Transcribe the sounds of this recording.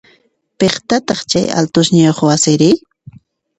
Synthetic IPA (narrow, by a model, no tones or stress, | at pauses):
peχt̪at̪ɑχt͡ʃa̰ja̰lt̪ʊʃɲajoχwasɪɾɪ